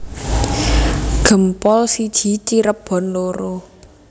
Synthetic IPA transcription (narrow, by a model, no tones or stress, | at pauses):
ɡ̥ə̤mpɔlsid̥ʒ̥i̤t͡ʃiɾəb̥ɔ̤nloɾo